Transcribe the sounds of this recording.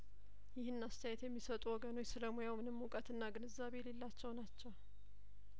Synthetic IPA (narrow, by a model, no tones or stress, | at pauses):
jɪhɨnːast̪ʰəjɛt̪jɛmːisət̪ʼuwɔɡəno̞jsɨləmujawmɨnɨmːukʼət̪ɨnːaɡɨnɨzːaβe̞le̞lːat͡ʃːɛwnat͡ʃːɛw